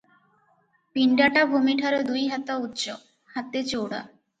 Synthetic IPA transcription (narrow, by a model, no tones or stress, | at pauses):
piɳɖaʈabʱumiʈʰaɾed̪ujɦat̪autːʃɔ | hat̪et͡ɕoɽa̰